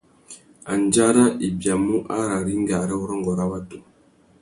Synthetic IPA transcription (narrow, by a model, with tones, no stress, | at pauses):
a˨n˨d͡ʒa˦ɾa˦ʔi˨bja˨mu˦ʔa̰˦ɾa˨ɾi˦ŋ˦ɡa˨ɾɛ˦ɔ˦ɾɔ˦ŋɡɔ˨ɾa˦wa˦tu˨